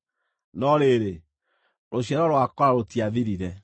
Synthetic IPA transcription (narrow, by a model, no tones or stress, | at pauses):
nɔɾeɾe | ɾʔoʃɛɾɔɾoakɔɾaɾotiaviɾiɾɛ